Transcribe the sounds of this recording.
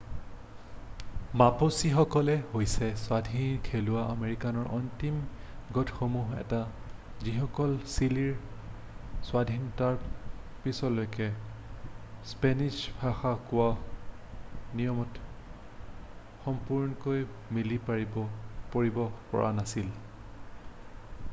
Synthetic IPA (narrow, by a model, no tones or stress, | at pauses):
maposixɔkɔlɛhojsɛswadʱinkʰelʊwaʔa̰meɹikanɔɹʔɔntim | ɡɔtxomuɦɛ̰ta | zixɔkɔlsiliɹ | sʊwadʱintaɹpisɔlojkɛ | spenizbʱaxakʊwa | nijɔmɔt | xɔmpuɹnɔkoj | milia | poɹibɔpɔ̰ɹa̰nasil